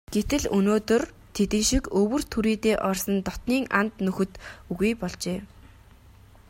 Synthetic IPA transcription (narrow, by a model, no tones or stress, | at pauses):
ɡ̥et̪ɘ̆ɮɵnoːt̪ɵ̆r | t̪ʰet̪ɘ̆ŋʃikɵwɵ̆r̥t̪ʰuɾiːt̪eːʔɔrsə̆nt̪ɔt̪niːŋʔant̪nɵxɵ̆t̪uɣujpɔɮt͡ɕeː